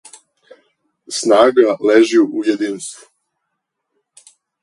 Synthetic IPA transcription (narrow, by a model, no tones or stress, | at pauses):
snaːɡaleʒijuʔujed̪iːnst̪vu̥